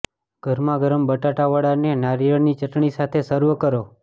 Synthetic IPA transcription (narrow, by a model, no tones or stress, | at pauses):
ɡ̥ʱəɾmãɡəɾəmbəʈaʈaʋəɽanenaɾiɾəɳnit͡ʃəʈɳisat̪ʰesəɾʋəkəɾo